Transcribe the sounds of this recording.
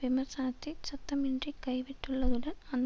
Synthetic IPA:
ʋimɐrsaːɐt̪ːisɐt̪ːɐmiɳɖrikɐjʋiʈːuɭːɐðuɽɐnɐnː

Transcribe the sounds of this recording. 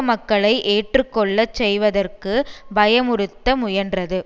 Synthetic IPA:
mɐkːɐɭɐɪʔeːʈrɯkːɔɭːɐt͡ʃsɛjʋɐðɐrkɯbɐjɐmʊɾɯt̪ːɐmʊjɐndrɐðɯ

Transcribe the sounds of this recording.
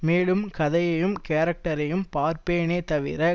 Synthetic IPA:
meːɭɯmkɐðɐjɐjɯmkeːɾɐk̚ʈɐɾɐjɯmpaːɾpeːneːt̪ɐʋɪ̰ɾɐ

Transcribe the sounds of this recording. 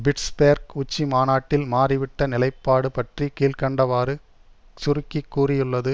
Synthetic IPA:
bɪʈsbeːɾkʊt͡ʃːimaːnaːʈːɪlmaːrɪʋɪʈːɐnɪlɐɪpːaːɽɯpɐʈrikiːlkɐɳɖɐʋaːɾɯ | t͡ʃʊɾʊkːikːuːrɪjɯɭːɐðɯ

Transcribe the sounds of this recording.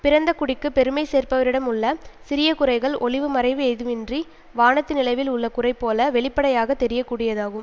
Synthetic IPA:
pɪɾɐnd̪ɐkʊɽɪkːɯpɛɾɯmɐɪseːrpɐʋɐɾɪɽɐmʊɭːɐsɪɾɪjɐkʊrɐɪɣɐɭʔɔɭɪʋɯmɐɾɐɪʋɯɛɪðɯmɪndri | ʋaːɳɐt̪ːɪnɪlɐɪʋɪlʊɭːɐkʊrɐɪpːoːlɐʋɛɭɪpːɐɽɐjaːɣɐt̪ːɛɾɪjɐkːuːɽɪjɐðaːɣɯm

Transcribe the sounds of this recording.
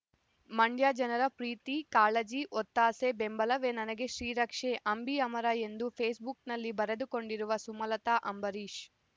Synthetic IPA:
mɐɳɖjaːd͡ʒɐnɐɾɐpɾiːt̪ikaːlɐd͡ʒiʔɔt̪ːaːsebembɐlɐʋeːnɐnɐɡe̞ʃɾiːɾɐkʂeʔɐmbiɐmɐɾɐe̞nd̪upʰeːsbuknɐlːibɐɾed̪uko̞ɳɖiɾuʋɐsumɐlɐt̪aːʔɐmbɐɾiːʃ

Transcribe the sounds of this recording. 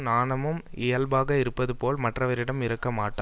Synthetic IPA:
naːnɐmɯmɪjɐlbaːɣɐɪɾɯpːɐðɯpoːlmɐʈrɐʋɐɾɪɽɐmɪɾɐkːɐmaːʈːaː

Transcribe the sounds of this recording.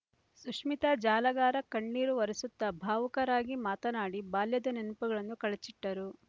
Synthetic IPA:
suʂmit̪ɐd͡ʒaːlɐɡaːɾɐkɐɳːiːɾuʋɐɾɐsut̪ːɐbʱaːʋukɐɾaːɡimaːt̪ɐnaːɽibaːljɐd̪ɐninupuɡɐɭɐnːukɐɭɐt͡ʃiʈːɐɾu

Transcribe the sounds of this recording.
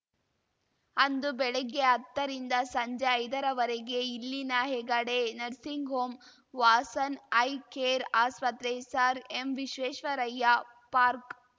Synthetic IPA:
ɐnd̪ubɛɭeɡːeɐt̪ːɐɾind̪ɐsɐɲd͡ʒeɐjd̪ɐɾɐʋɐɾeɡe̞ilːinɐɦeɡɐɽenɐɾsiŋɡʱoːm | ʋaːsɐnɐjkeːɾaːspɐt̪ɾesaːɾemʋiʃʋeːʃʋɐɾɐjːa | paːɾk

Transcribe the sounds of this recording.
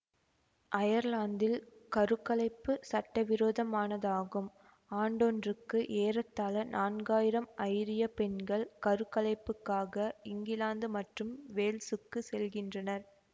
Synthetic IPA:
ʔɐjɐɾlaːnd̪ɪlkɐɾɯkːɐlɐɪpːɯsɐʈːɐʋɪɾoːðɐmaːnɐðaːɣɯm | aːɳɖɔndrɯkːɯʔeːɾɐt̪ːaːlɐnʔaːnɡaːjɪɾɐmɐɪɾɪjɐpɛnɡɐɭkɐɾɯkːɐlɐɪpːɯkːaːɣɐɪŋɡɪlaːnd̪ɯmɐʈrɯmʋeːlsɯkːɯsɛlɣɪndrɐnɐɾ

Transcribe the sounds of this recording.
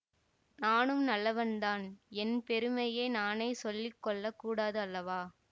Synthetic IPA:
naːnɯmnɐlːɐʋɐnd̪aːnɛnpɛɾɯmɐjeːnaːnɐɪsɔlːɪkːɔɭːɐkːuːɽaːðɯɐlːɐʋaː

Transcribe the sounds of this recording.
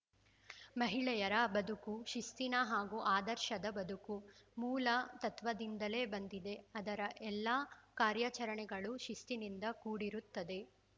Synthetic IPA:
mɐɦiɭɛjɐɾɐbɐd̪ukuʃist̪inɐɦaːɡuʔaːd̪ɐɾʃɐd̪ɐbɐd̪ukumuːlɐt̪ɐt̪ʋɐd̪ind̪ɐle̞ːbɐnd̪id̪e̞ɐd̪ɐɾɐʔɛlːaːkaːɾjat͡ʃɐɾɐɳɛɡɐɭuʃist̪inind̪ɐkuːɽiɾut̪ːɐd̪e̞

